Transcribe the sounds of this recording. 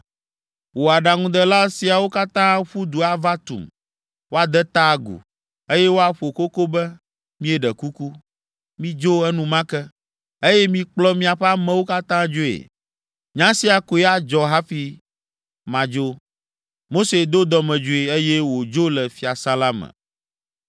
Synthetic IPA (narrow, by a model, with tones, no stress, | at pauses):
wo˨a˨ɖa˨ŋũ˦d̪ɛ˨la˦si˨a˨wo˦ka˦t̪ã˦ɸu˦d̪u˨a˦va˦t̪ṵ˨m | wo˦a˨d̪ɛ˦t̪a˦ɡṵ˨ | e˦jɛ˦wo˦a˦ɸo˨ko˦ko˦bɛ˦ | mĩ˦e˨ɖɛ˨ku˦ku˦ | mĩ˦d͡ʒo˦ɛ˦nũ˨mã˦kɛ˦ | e˦jɛ˦mĩ˦k͡plɔ˦mĩ˦a˨ɸɛ˦a˦mɛ̃˦wo˦ka˦t̪ã˦d͡ʒo˦ḛ˨ | ɲã˦si˦a˨ko˨ɛ˦a˦d͡ʒɔ˨ɦa˦fi˦ | mã˨d͡ʒo˦ | mo˦se˨d̪o˦d̪ɔ˦mɛ̃˨d͡ʒo˦e˨e˦je˦wo˨d͡ʒo˦lɛ˨fi˦a˨sa˦la˦mɛ̰˨